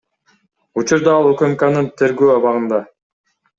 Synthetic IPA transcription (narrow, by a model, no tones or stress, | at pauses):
ut͡ʃuɾd̪ɑɑlˠøkømkɑnɯnt̪ʰe̞ɾɡøːɑβɑʁɯnd̪ɑ